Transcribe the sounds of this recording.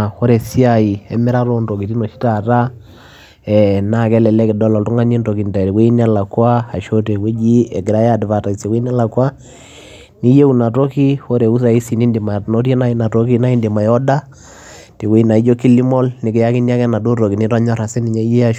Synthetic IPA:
xo˦ɾe˨si˦a˨i˨ɛ̰˦mɪ˦ɾa˦ɾo˦ndo˨ki˨ti˦no˨ʃi̥˦ta˨ta˦ | ɛ˨na˦˨kɛ˦lɛ˨lɛ˦kɪ˨dɔ˦lɔ˨ltu˦ŋa˦ɲi˦nto˨ki˨n˨ta˨ɾi˨we˦i˦n˦a˦la˨kwa˦a˨ʃo˦te˨we˦d͡ʒi˦e˨ɡɪ˨ɾa˦ja˦˨dva˨ta˨se˨we˦n˦a˦la˨kwa˦ | ni˦je˦u˨na˨to˦ki˦xo˦ɾe˨u˦s̬a˨i˦si˨ni˦ndi˨ma˨no˦ɾje˦na˦i˦na˨to˦ki˦na˦i˦ndi˨ma˨jɔ˦da˦ | ti˨we˦i˦na˨i˦d͡ʒo˦ki˦li˦mɔ˦lnɪ˨ki˨ja˦ki˦ni˦a˦kɛ˦na˨do˦to˨ki˨ni˦ta˦ɲɔ˦ɾa˨sɛ˦ni˨ɲa˦je˦a˦ʃ

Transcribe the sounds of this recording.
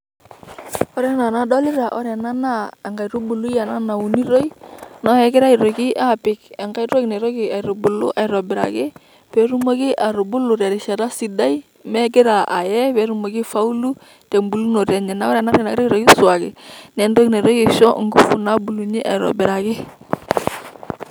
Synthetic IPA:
ɔ˦ɾɛ˦na˨na˨˦dɔ˦lɪ˦ɾa˨ʔɔ˦ɾɛ˨na˦naː˦˨ŋɡa˨i˨ɾu˦bu˨lu˦ja˨na˦na˨u˨ni˦ɾo˦i˦na˦ɛ˨kɪ˦ɾa˦ɪ˨ɾo˨kɪ˦ʔa˦pɪ˨kɛ˨ŋɡa˦i˦ɾo˦knɛ˨ɾo˦kɪ˨a˨i˨ɾʊ˨bʊ˨lʊ̰˦ʔa˨ɪ˨ɾɔ˨bɪ˨ɾa̰˨kɪ˦ | pɛ˨ɾu˦mo˦kɪ˦ʔa˨ɾʊ˨bʊ˦lʊ˨ɾa˨ɾɪ˨ʃa˨ta˦si˨da˦i˦ | mɛ˦ɡɪ˦ɾa˨ʔa̰˨jɛ˦pɛ˨˦ɾu˦mo˨kɪ˦fa˦u˦lu˦ | te˨mbu˨lu˦no˨ɾa˨ɲɛ˨na˨˦ɔ˦ɾɛ˨na˦ɾɛ˨na˨ɪ˦ɾa˦i˦ɾo˨kɪ˦swa˨kɪ̰˨nɛ˨ndo˦kne˨ɾo˦jkɪ˨ʃɔ̰˦˨ŋɡu˦fʊ˨na˦bu˨lu˨ɲi˦ʔa̰˨i˨ɾɔ̰˨bɪ˨ɾa˨kɪ˦

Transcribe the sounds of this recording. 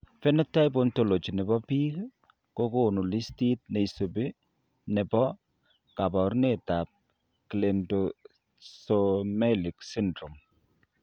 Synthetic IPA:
fɛ˦nɛ˦tːa˦jbonto˦˨lo˨t͡ʃi˨nɛ˨bɔ˦pi˦k | ko˦ko˦nu˨li˦sti˦t̚ne˨i˨so˨be˦ | nɛ˨bɔ˦ | ka˨bɔ˨ɾneta˨p̚ | kile˨ndo˨ | somɛ˦li˨ksi˦ndɾo˨m

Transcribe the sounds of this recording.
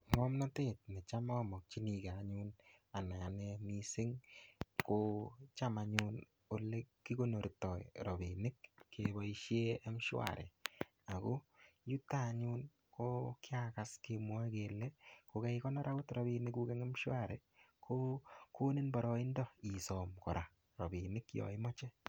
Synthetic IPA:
ŋɔ˦mna˦te˦t̚ne˨t͡ʃa˦mɔ˦mɔ˨k̚t͡ʃi˦ni˨ka˨ɲuna˨na˨a˨nɛmi˦sɪ˦ŋkot͡ʃa˦maɲu˦n | o˨lekːi˦ko˦no˨ɾitɔ˨ḭɾɔ˨bi˨nɪ˦kːebɔ˦iʃe˦a˦mʃʊ˦a̰˨ɾɛ̰˨ | a˨ko˦ju˦ta˦ɲu˦n | ko˦kɪ˦akaskemwa˦kelɛ˦ko˨kɛ˦ikɔ˦nɔ˦ɾa˦ko˦tɾɔ˨binɪku˦kɛ˦ŋa˦mʃwa˦ɾɛ | kʰo˦ko˦ni˦nbɔ˨ɾɔ˦i˦ndɔ˦i˨sɔ˨mkɔ̰˨ɾʔa˨ | ɾɔ˨bi˨nɪ˦kjɔ̰˨ɪ˦mɔ˦t͡ʃɛ˦

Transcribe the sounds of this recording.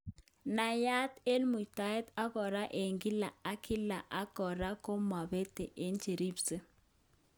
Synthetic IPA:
na˨ja˦t̪e˦lmu˨ta˦ɛ˦t̪a˦kɔ˨ɾa˦ʔe˨ŋɡɪ˦la˨a˦kʰɪ˦la˨ʔa˦kɔ˨ɾa˦ko˦ma˨be˦t̪e˨ʔe˦nt͡ʃe˨ɾi˦bse˦

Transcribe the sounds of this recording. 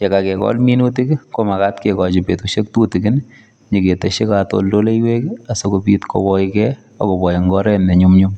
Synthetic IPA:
t͡ʃe˨ka˨kɛ˨kɔ̰˦lmi˦nu˦ti˦kko˦ma˨ka˦tkekɔ˨t͡ʃɪ˨pe˨tuʃe˦k̚tu˦ti˨kɪ˦n | ɲi˨ke˨te˨ʃe˦kato̰˨ldo˦le˦jwe˦ka˨so˦kobi˦tko̰wɔ˦kɛ˦ | ako˨bɔ˨jŋɡɔ˦ɾɛ˦nɛ˨ɲumɲu˦m

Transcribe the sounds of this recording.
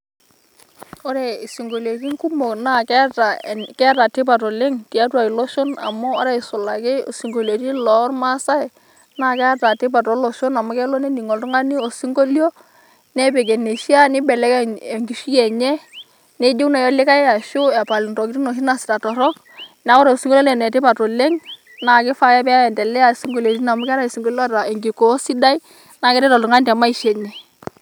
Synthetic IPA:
ɔ˦ɾɛ˨i˨si˨ŋɡo˨le˨k̬i˦ŋ˦ku˦mo˨kna˦˨kɛ˦ta˨kɛ˦a˦ta˨tɪ˦pa˨t̬ɔ˨le˦ŋti˨a˦twa˨i˨lɔ˦ʃɔ˦na̰˨mɔː˦ɾɛ˨ɪ˨sʊ˨la˨kɪ˦o˨si˨ŋɡo˨le˨ti˦lɔ˨˦rma˦sa˦ɪ˨ | na˦˨kɛ˦a˦ta˨tɪ˦p̬a˨tɔ˨˦lɔ˨ʃo˦na˨mɔ˦kɛ˦lɔ˦ne˦ndi˨ŋɔ˨ltʊ˦ŋa˦ni˦ɔ˨si˦ŋɡo˦ljo˦ | nɛ˦pɛ˨k̬ɛ˨ne˨ʃi˦a˦nɪ˦bɛ˨lɛ˦kŋɡi˨ʃi˦ɛ˨ɲɛ˦ | nɛ˦d͡ʒo˦kna˨jɔ˦lɪ˦ka˦ja˨ʃo˦ɛ˨pa˨ln˨tɔ˨kɪ˦ti˦nɔ˨ʃ̬i˦na˨sɪ̥˨ta˨tɔ˨ɾɔ˦k | na˨˦kɔ˦ɾa˨o˨si˦ŋɡo˦lo˦nɛ˨nɛ˨tɪ˦pa˨tɔ˨lɛ˦ŋ | na˨kɪ˦fa˦jɛ˦pɛ˦ɛ˨ntɛ˨lɛ˦a˨si˦ŋɡo˦le˨ti˦na˨mʊ˦kɛ˦ɾa˦˨si˨ŋɡo˦li˦ɔ˦ta˨e˨ŋɡi˨ko˨˦si˦da˦i˦ | na˨kɛ˦ɾɛ˦tɔ˨ltu˨ŋa˦ni˦tɛ˨ma˦i˦ʃɛ˨ɲɛ˦

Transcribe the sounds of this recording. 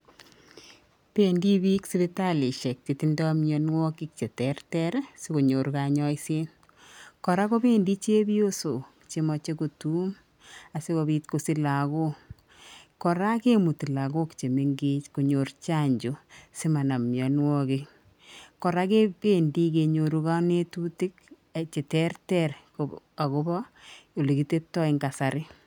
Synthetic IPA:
pe˦ndi˦bi˦ksi˦be˦ta˦le˨ʃe˨k̚t͡ʃe˨ti˦ndɔ˦mɲjɔ˨nwɔ˦ki˦kt͡ʃe˨tɛ˨rtɛ˦ɾse˦ko˨ɲo˨ɾka˨ɲɔ˦i˦se˦n | kɔ˨ɾa˦ko˦be˦ndi˦t͡ʃe˦bi˦o˦so˨ki̥˨t͡ʃe˨mɔ˨t͡ʃe˦ko˨tu˦m | a˨se˦ko˨bi˦tko˨si˦la˨ko˦ | kɔ˨ɾa˦ke˦mu˨ti˨la˨ɡo˦ki̥t͡ʃe˨me˦ŋɡe˦t͡ʃko˨ɲo˨rt͡ʃa˦ɲd͡ʒo˨se˦ma˨na˨mjɔ˨n˦wɔ˦ke˦ | kɔ˨ɾa˦ke˦be˨ndi˦ke˨ɲo˨ɾu˦ka˦ne˦tu˦ti˦k | at͡ʃe˨tɛ˦rtɛrko | a˨ko˦bɔ˦o˨le˨ki˨te˦tːɔ˦i˨ŋɡa˨sa˨ɾɪ˦

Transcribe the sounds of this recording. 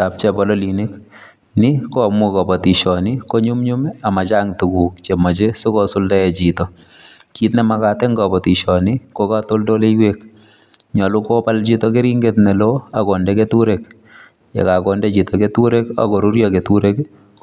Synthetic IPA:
ta˨p̚t͡ʃɛ˨bɔ˨lɔ˦li˨ne˦k | nɪ˦ko˦a˨mu˦kɔ˨bɔ˨ti˨ʃɔ˨nɪ˦ko˦ɲu˦mɲu˦ma˨ma˨t͡ʃa˦ŋtu˨ku˨kt͡ʃe˨mɔ˨t͡ʃe˦so˦kɔ˦sʊ˦lda˦jɛ˨t͡ʃitɔ˨ | ki˦tnɛ˦ma˦kaː˨tɛ˦ŋɡɔ˨bɔ˨ti˨ʃɔ˨nɪ˦ko˦ka˦to˦ldo˦le˦jwek̚ | ɲɔ˨lu˦ko˦pa˦lt͡ʃi˦tɔke˦ɾi˦ŋɡetnɛ˨loa˨kɔ˨ndɛ˦ketu˦ɾek̚ | jḛ˨kakɔ˨ndɛ˦t͡ʃi˨tɔketu˦ɾe˦ka̰kɔ˨ɾu˦ɾjɔke˨tuɾe˦k

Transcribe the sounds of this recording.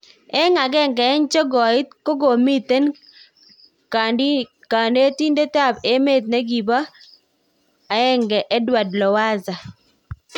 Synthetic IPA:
ɛ˦ŋa˨ɡɛ˦ŋɡɛ˨ɛ˦nt͡ʃɔ˦ɡɔ˨ɪ˦t̪̚ko˦ɡo˨mi˦t̪e˦n | ka˦ | ka˨nde˦ti˦nde˦ta˦˨be˦me˦˨t̪̚ne˦ɡi˨ba˦ | a˨˦ɛ˦ŋɡɛ˨ʔɛ˦dwa˨dlɔ˨wa˦za˨

